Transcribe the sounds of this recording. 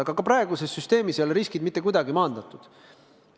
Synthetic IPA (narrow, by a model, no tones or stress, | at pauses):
ɑɡ̥ɑkɑpɾɑeɡ̥usesːyst̪e̞ːmiso̞lɾiskid̪mit̪ːe̞kujd̪ɑɡimɑːnd̪̥ɑt̪ːˑud̪̥